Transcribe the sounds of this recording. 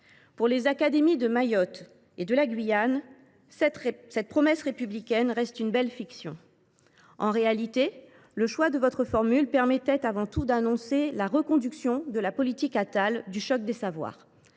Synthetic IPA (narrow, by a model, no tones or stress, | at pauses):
puʁlezakad̪emid̪əmajɔt̪ | ed̪əlaɡɥijan | sɛt̪̚pχɔmɛsʁepyblikʲɛnʁɛst̪ynbɛlfiksjɔ̃ | ɑ̃ʁealit̪e | ləʃwad̪əvɔt̪χəfɔʁmylpɛʁmɛt̪ɛt̪avɑ̃t̪ud̪anɔ̃selaʁəkɔ̃d̪yksjɔ̃d̪əlapɔlit̪ikat̪ald̪yʃɔk̚d̪esavwa̰ːʁ